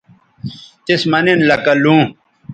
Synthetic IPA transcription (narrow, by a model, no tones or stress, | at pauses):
t̪ismɐnenlɐkɐlũː